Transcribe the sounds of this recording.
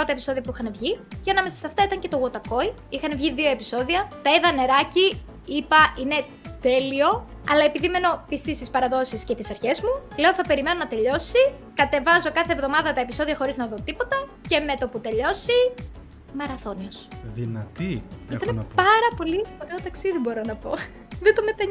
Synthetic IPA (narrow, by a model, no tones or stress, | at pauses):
o̞t̪ɐe̞piso̞ðiɐpuixɐnevʝiceɐnɐme̞sɐ̥sɐft̪ɐit̪ɐɲcet̪o̞ɣo̞t̪ɐko̞i | ixɐnevʝiðio̞e̞piso̞ðiɐt̪ɐiðɐne̞ɾɐci | ipɐʔine̞ | t̪e̞lio̞ | ɐ̰lɐe̞piðime̞no̞pist̪ist̪ispɐɾɐðo̞sisce̞t̪isɐɾçe̞zmule̞oθɐpe̞ɾime̞no̞nɐt̪e̞ʎo̞sikɐt̪e̞vɐzo̞kɐθevðo̞mɐðɐt̪ɐe̞piso̞ðiɐxo̞ɾiznɐðo̞t̪ipo̞t̪ɐ | ce̞me̞t̪o̞put̪e̞ʎo̞si | mɐɾɐθo̞niosðinɐt̪iit̪ɐnepɐɾɐpo̞lipoɾeot̪ɐksiðibo̞ɾo̞nɐpo̞̰ | ðet̪omet̪ɐɲ